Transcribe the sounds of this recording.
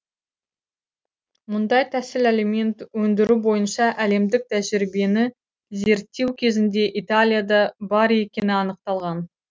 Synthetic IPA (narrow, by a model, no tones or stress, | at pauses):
mʊnd̪ɑjt̪ʰæsɪleleme̞nt̪wɵnd̪ɪɾubo̞jənʃɑʔæle̞md̪ɪk̚t̪ʰæʒɪɾɪbe̞nɪ | ze̞ɾt̪ːe̞wkʲʰe̞zɪnd̪e̞ʔit̪alʲijad̪ɑbɑɾe̞kʲe̞nɪɑnəq̚t̪ɑlˠʁɑn